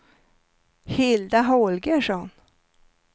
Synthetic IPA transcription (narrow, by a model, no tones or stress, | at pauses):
hɪld̪aɦɔlɡəʂɔn